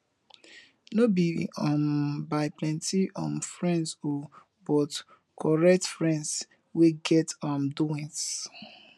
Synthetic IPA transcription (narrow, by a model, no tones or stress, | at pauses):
nobiɔ̃mbaɪplɛ̃ntiʔɔ̃nfɹɛ̃nso | bɔt | kʰɔɹɛk̚tfɹɛ̃nds | weɡɛtɔ̃mduĩns